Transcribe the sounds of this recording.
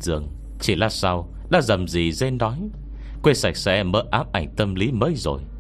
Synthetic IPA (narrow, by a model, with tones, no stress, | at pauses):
zɨ̰˨˩əŋ | t͡ɕi˧˩laː˧sa˧w | ɗa̰ː˧˥zə˨˩mzi˨˩ze˧nnɔ˨˦j | kwe˧sa˧˩jk̚sɛ̰˧˥məː˨˦˥ʔaː˨˦p̚ʔa˧˩jŋ̟t̪ə˧mli˨˦məː˨˦jzo̰˨˩j